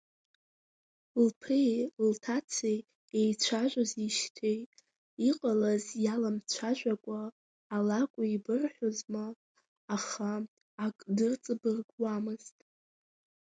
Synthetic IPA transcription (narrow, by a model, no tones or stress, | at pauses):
lpʰrejltʰat͡sʰej | ejt͡ɕʷʰaʒʷaziʃtʰejtʼ | iqʼalazjalamt͡ɕʷʰaʒʷᶣakʷʼaː | lakʷʼʊibɨrħʷᶣozmaː | χaː | kʼdɨrt͡sʼɨbɨrɡwamɨztʼ